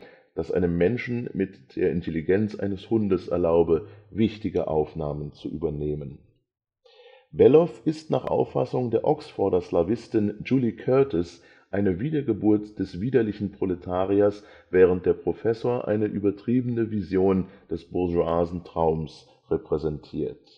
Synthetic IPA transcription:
d̥asʔa̰ɪnəmːɛnʃn̩mɪtd̥ḛːɐʔɪntʰeliɡɛnt͡sʔa̰ɪnəshʊndəsʔɛ̰ɐlaʊbəvɪçtɪɡəʔa̰ʊfnaːmənt͡suʔyːbɐneːmən | bɛlɔfɪstna̰ːχʔa̰ʊfːa̰sʊŋdeːɐʔɔksfɔɐdɐslavɪstɪnd͡ʒuːlikʰœɐtɔs | ʔaɪnəviːdɐɡəbuːɐtd̥ɛsv̥iːdɐlɪçn̩pʁ̥oletʰaːʁiɐs | v̥ɛːʁ̞ənt̚d̥eːɐpʁ̥ofɛsoːɐʔa̰ɪnəʔyːbɐtʁ̥iːbən̩əvizjoːnd̥ɛsb̥ʊɐʒuaːzn̩tʁ̥aʊms | ʁɛpʁ̥ɛzɛntʰḭːɐt

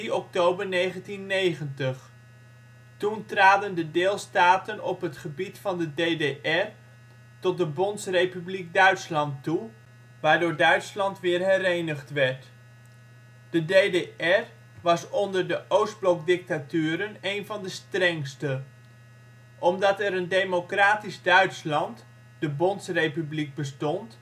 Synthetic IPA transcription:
iɔk̚towbəɹnejχəntinːejχəntəχ | tuntraːdəndədɪːlˠstaːtənɔpɦətχəbitfɑndədejdeʔɛr | tɔt̚dəbɔntsrejpyblik̚dœɥtslɑntːu | ʋaːɹdʊːɹdœɥtslɑntʋɪːɹɦɛɾejnəχtʋɛɹt | d̥ədejdeɛr | ʋɑsɔndəɹdəʔowsd̚blɔk̚dɪk̚tatyːɾənejnvɑndəstrɛŋstə | ʔɔmdɑtɛɾəndejmokraːtizdœɥtslɑnt | d̥əbɔntsrejpybliɡ̚bəstɔnt

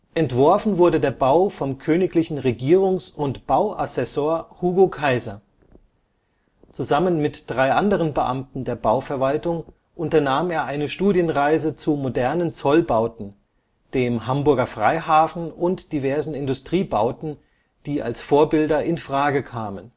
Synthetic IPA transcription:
ʔɛntv̥ɔɐfn̩vʊɐdədeːɐbaʊfɔmkʰøːnɪklɪçn̩ʁeɡiːʁ̞ʊŋsʊntb̥aʊʔasɛsoːɐhuːɡokʰaɪzɐ | t͡suzamənmɪtd̥ʁaɪʔandəʁ̞ənbəʔa̰mtn̩deːɐbaʊfɛɐvaltʊŋ | ʔʊntɐnaːmeːɐʔaɪnəʃtuːdjənʁaɪzət͡sumodɛɐnənt͡sɔlbaʊtn̩ | d̥eːmɦambʊɐɡɐfʁ̥a̰ɪhaːfn̩ʊntd̥ivɛɐzn̩ɪndʊstʁ̥iːbaʊtn̩ | d̥iːʔa̰lsfoːɐbɪldɐʔɪnfʁ̥aːɡəkʰaːmən

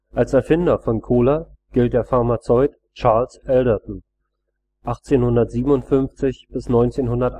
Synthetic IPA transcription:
ʔalsɛɐfɪndɐfɔnkʰoːlaɡ̥ɪlt̚d̥eːɐfaɐmat͡sɔʏt | t͡ʃaɐlsʔɛldətn̩ | ʔaχt͡seːnhʊndɐtz̥iːbm̩ʊntfʏnft͡sɪçb̥ɪsnɔʏnt͡seːnhʊndɐt

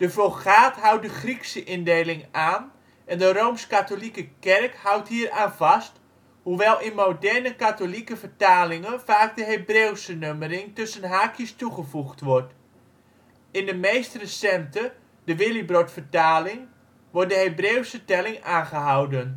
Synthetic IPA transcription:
d̥əfolχaːtɦʌwt̚dəχriksəʔɪndejlɪŋaːn | ʔɛndərowmskatolikəkɛrkhʌwtɦiːraːnvɑst | huʋɛlˠɪnmowdɛrnəkatolikəfərtaːlɪŋənfaːk̚dəɦejbrewsənøməɾɪŋtɵsənɦaːkʰjəstuχəvuχtʋɔɹt | ɪndəmejstrəsɛmtə | dəʋɪlibrɔtfəɹtaːlɪŋ | ʋɔrt̚dəɦejbreːwsətɛlɪŋaːnχəɦawdən

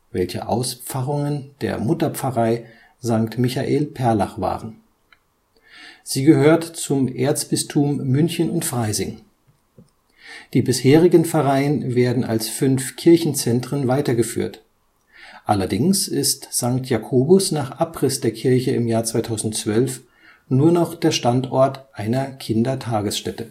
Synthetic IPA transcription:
vɛlçə̰ʔa̰ʊsp͡faʁʊŋənd̥ḛːɐmʊtɐp͡fɐʁaɪ | zaŋktmɪçaʔeːlpʰɛɐla̰χv̥a̰ːʁən | z̥iːɡəhøːɐtt͡sʊmʔeːɐt͡sb̥ɪstʰuːmːʏnçənʊntfʁ̥aɪzɪŋ | d̥iːbɪsheːʁɪɡənfɛʁaɪənveːɐdn̩a̰lsfʏnfkʰɪɐçn̩t͡sɛntʁ̥ənvaɪtɐɡəfy̰ːɐt | ʔalɐdɪŋsɪstz̥aŋktjakʰoːbʊsnaːχʔapʁ̥ɪsd̥eːɐkʰɪɐçəɪmjaːɐt͡sv̥aɪtʰaʊzn̩tt͡sv̥œlf | nuːɐnɔχd̥eːɐʃtantɔɐtʔaɪnɐkʰɪndɐtʰaːɡəsʃtɛtə

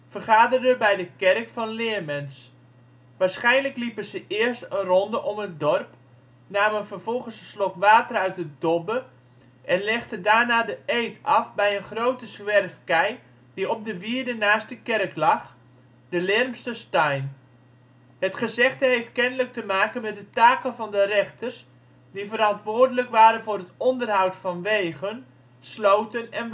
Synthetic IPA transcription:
fərχaːdərdəbɛjdəkɛrkfɑnlɪəmɛns | ʋaːɹsχɛjnləklipəzəʔɪərstənrɔndəʔɔmət̚dɔrp | naːmənfərvɔlˠɣənsəslɔkʋaːtərœɥtədɔbə | ʔɛnlɛχtədaːrnaːdəʔejtʰɑfbɛjənχrowtəsʋɛrfkɛj | diɔp̚dəʋiərdənaːst̚dəkɛrklɑχ | dəlɛrmstəstœjn | hətχəzɛχtəɦejft̚kɛnələk̚təmaːkənmɛt̚dətaːkənvɑndərɛχtərs | divəɾɑntʋoːrdələkʋaːɾənvʊːrətɔndərɦawtfɑnʋejɣən | slowtənɛn

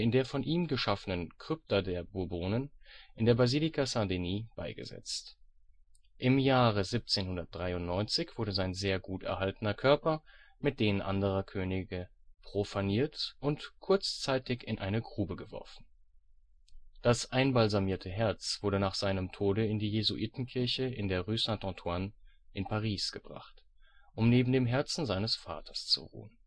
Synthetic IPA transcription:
ɪndeːɐfɔnʔiːmɡəʃafənənkʁ̥ʏp̚tɐdeːɐbʊɐboːnənʔɪndeːɐbaziːlikʰasadeniːb̥aɪɡə̰zɛ̰t͡st | ʔɪmjaːʁ̞əzip̚t͡seːnhʊndɐt̚d̥ʁaɪʊntnɔʏnt͡sɪçv̥ʊɐɾəzaɪnzeːɐɡuːtɛ̰ɐɦaltənɐkʰœɐpɐmɪt̚d̥eːnənʔa̰ndəʁ̞ɐkʰøːnɪɡəpʁ̥ofaniːɐtʔʊntkʰʊɐt͡st͡saɪtɪçɪnʔa̰ɪnəɡʁuːbəɡəvɔ̰ɐfn̩ | d̥asʔaɪnbalzamiːɐtʰəɦɛɐt͡sv̥ʊɐɾənaːχz̥aɪnəmtʰoːdəɪndiːjezuʔiːtn̩kʰɪɐçəɪndeːɐʁysɛ̃ntɔ̃tʰwanʔɪnpʰaʁiːsɡ̥əbʁa̰χt | ʔʊmneːbm̩deːmɦɛɐt͡sn̩zaɪnəsfa̰ːtʰɐ̥st͡sṵʁṵːən

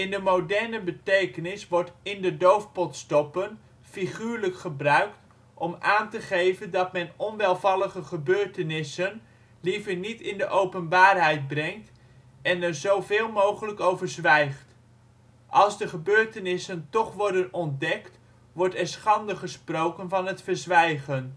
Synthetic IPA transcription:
ɪndəmowdɛɹnəbətejkənɪsʋɔɹtɪndədowfpɔtstɔpən | fiχyːɹləkχəbrœɥkt | ʔɔmaːntəχejvəndɑtmɛnɔnʋɛlˠvɑlˠəχəχəbøːɹtənɪsən | livəɹnitɪndəʔowpənbaːrɦɛjd̚brɛŋt | ɛnɛɹzowvɪːlˠmowχələkowvəɹzʋɛjχt | ʔɑlˠzdəχəbøːɹtənɪsəntɔχʋɔɹdənɔndɛkt | ʋɔɹtɛɹsχɑndəχəsprowkənvɑnɦətfəɹzʋɛjχən

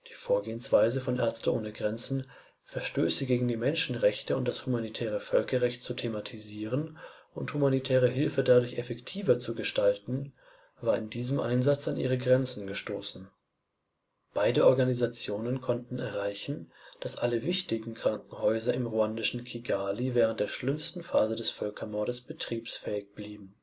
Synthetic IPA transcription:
d̥iːfoːɐɡeːənsv̥aɪzəfɔnʔɛɐt͡stəʔoːnəɡʁɛnt͡sn̩ | fɛɐʃtøːsəɡeːɡŋ̩diːmɛnʃn̩ʁɛçtəʊnt̚d̥ashumanitʰɛːʁ̞əfœlkɐʁɛçt̚t͡sutʰematʰiziːʁənʔʊnthumanitʰɛːʁ̞əɦɪlfədadʊɐçɛfɛktʰiːvɐt͡suɡəʃtaltn̩ | vaːɐɪndiːzəmʔa̰ɪnzat͡sanʔḭːʁəɡʁɛnt͡sn̩ɡəʃtoːsn̩ | b̥aɪdəʔɔɐɡanizat͡sjoːnənkʰɔntn̩ɛɐʁaɪçn̩d̥asʔaləvɪçtɪɡŋ̩kʁ̥aŋkŋ̩hɔʏzɐʔɪmʁuandɪʃn̩kʰiɡaːlivɛːʁənt̚d̥eːɐʃlɪmstn̩faːzədɛsfœlkʰɐmɔɐɾəsb̥ətʁ̥iːpsfɛːɪçb̥liːbm̩

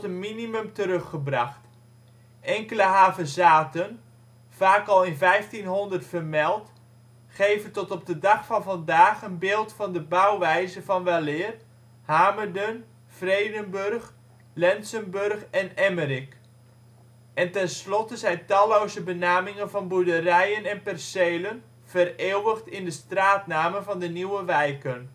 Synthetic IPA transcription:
tənminimɵmtəɾɵχəbrɑχt | ʔɛŋkələɦaːvəzaːtən | v̥aːkɑlˠɪnvɛjftinɦɔndərtfərmɛlˠt | χejvəntɔtɔb̚dədɑχfɑnvɑndaːχənbɪːlˠtfɑndəbʌwʋɛjzəvɑnʋɛlɪːr | haːmərdən | frejdənbørχ | lɛnsənbørχɛnɛmərɪk | ʔɛntɛnslɔtəzɛjntɑlowzəbənaːmɪŋənvɑnbudərɛjənɛnpɛrsejlən | v̥əreːwəχtɪndəstraːtnaːməvɑndəniwəʋɛjkən

